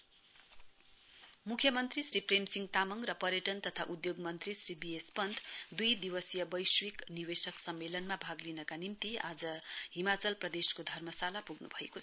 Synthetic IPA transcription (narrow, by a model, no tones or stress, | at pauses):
mukʰjʌmʌnt̪risripremsiŋɡt̪amʌŋɡrʌpʌɾjʌʈʌnt̪ʌt̪ʰaʔud̪joɡmʌnt̪risribiespʌnd̪d̪ujd̪iwʌsjʌbʌjswikniwesʌksʌmːelʌnmabʱaɡlinʌkanimt̪iad͡zʌɦimat͡sʌlprʌd̪eskod̪ʱʌrmʌsalapuɡnubʱʌekot͡sʰʌ